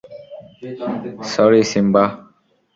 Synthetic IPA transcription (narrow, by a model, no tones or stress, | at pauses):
sɔɾisimba